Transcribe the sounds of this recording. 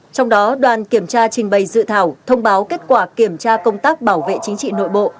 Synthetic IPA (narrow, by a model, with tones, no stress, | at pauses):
t͡ɕɔ˧wŋ͡mɗɔ˨˦ɗwaː˨˩nki˧˩əmt͡ɕaː˧t͡ɕï˨˩ŋ̟ɓə˨˩jzɨ̰˧˨t̪ʰaː˧˩wt̪ʰə˧wŋ͡mɓaː˨˦wke˦˥t̚kwaː˧˩ki˧˩əmt͡ɕaː˧kə˧wŋ͡mt̪aː˦˥k̚ɓaː˧˩wvḛ˧˨t͡ɕï˨˦ŋ̟t͡ɕḭ˧˨no̰˧˨jɓo̰˧˨